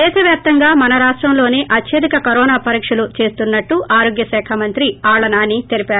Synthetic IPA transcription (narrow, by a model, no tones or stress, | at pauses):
ɛːʃɐʋjaːp̚t̪ɐŋɡaːmɐnɐɾaːʂʈɾɐmlo̞ːneːʔɐtjɐd̪ikɐkɐɾɔːnaːpɐɾiːkʂɐlut͡ʃe̞ːst̪unːɐʈːuʔaːɾo̞ːɡjɐsɛːkʰɐmɐnt̪ɾiaːɭɐnaːnːit̪eɾipaːɾu